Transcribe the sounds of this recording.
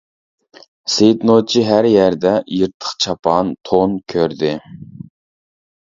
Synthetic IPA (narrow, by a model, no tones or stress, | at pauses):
set̪not͡ʃʰiɦæɾjæɾd̪ɛjiɾt̪ʰə̥χt͡ʃʰɑpʰɑnt̪ʰonkʲʰøɾd̪ɪ